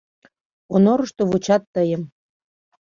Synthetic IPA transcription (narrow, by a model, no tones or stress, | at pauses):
onoɾəʃt̪oβut͡ɕɑt̪ːəjəm